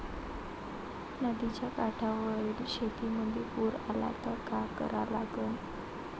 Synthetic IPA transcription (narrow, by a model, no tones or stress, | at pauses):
nad̪i̥d͡ʒakaɖ̥awəilʃefimənd̪ipuɾala̰t̪ɔkakə̰ɾalaɡɔn